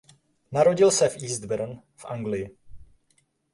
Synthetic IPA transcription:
naɾo̞ɟɪlsɛfʔiːzd̪bɛɾn | fʔa̰ŋɡlɪjɪ

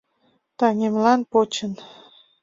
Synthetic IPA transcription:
t̪ɑŋemlɑnpot͡ɕən

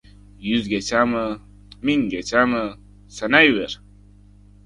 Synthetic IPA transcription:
juzɡet͡ɕaːmɐ | miŋɡet͡ɕamə | sɐnajweɾ

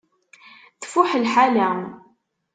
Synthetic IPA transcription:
θfʊħəlħalæm

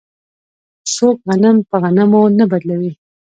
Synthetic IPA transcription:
sok̚ɣanampəɣanamonabad̪lawi

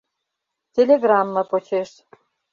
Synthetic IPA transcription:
tʲelʲeɣrɑmːɤ̆pot͡ɕeʃ

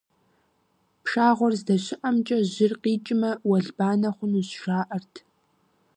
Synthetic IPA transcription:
pʂaːʁʷɔrzdɐɕɪʔɐmt͡ʃʼɐʑɪrqiːt͡ʃʼɪmɐwɐɮbaːnɐχʷʊnuzʂaːʔɐrtʰ

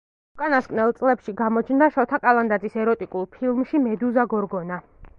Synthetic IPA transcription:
ukʼanaskʼnɛlˠt̪sʼlɛpʃiɡamɔt͡ʃʰnd̪aʃɔt̪ʰakʼalˠand̪ad̪zisɛɾɔt̪ʼikʼulˠpʰilˠmʃimɛd̪uzaɡɔɾɡɔna

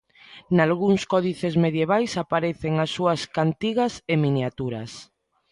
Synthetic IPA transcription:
nalɣuŋskɔðiθezmeðjeβ̞ajsapaɾeθeŋasːuɐskant̪iɣaseminjat̪uɾa̰s

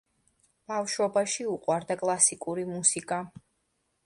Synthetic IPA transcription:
b̥afʃwɔbaʃiuqʼwaɾd̪akʼlˠasikʼuɾimusikʼa

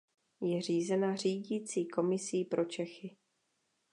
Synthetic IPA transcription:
jɛr̝iːzɛnar̝iːɟiːt͡siːko̞mɪsiːpɾʔo̞t͡ʃɛxɪ

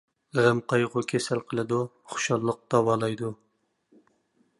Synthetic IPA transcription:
ʁəmqʰɑjʁʊkʲʰesælqʰəlˠɨd̪u | χʊ̥ʃɑlˠːəq̚d̪̥ɑwɑːlˠɑjd̪u

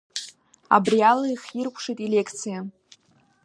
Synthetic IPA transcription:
a̰brialaiχirkʷʰʂijtʼele̞kʰt͡sʰija

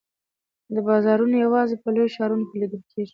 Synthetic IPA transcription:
d̪əbɑzɑɾunojawɑzepəlojʃɑɾunokeliɡ̪əlkʰeʐi

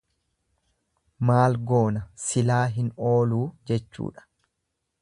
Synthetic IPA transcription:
maːlɡo̞ːnɐsɪlaːɦɪno̞ːluːd͡ʒɛt͡ʃːṵːᶑɐ̥

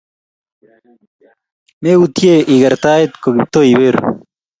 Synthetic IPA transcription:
meut̪ʰijeiɡɐɾt̪aːet̪̚koɡip̚t̪oːibeɾ

